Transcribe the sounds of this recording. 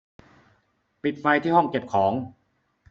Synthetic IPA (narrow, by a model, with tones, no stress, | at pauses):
pi˨˩t̪̚fa˧jt̪ʰiː˥˩hɔ˥˩ŋke˨˩p̚kʰɔː˩˦ŋ